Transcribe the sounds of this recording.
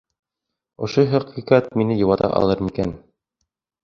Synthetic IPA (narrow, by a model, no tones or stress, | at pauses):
ŏʃoɦɑqiqɑt̪minɘjɤ̆wɑt̪ɑ̰ʔɑ̰lˠɤɾmikæn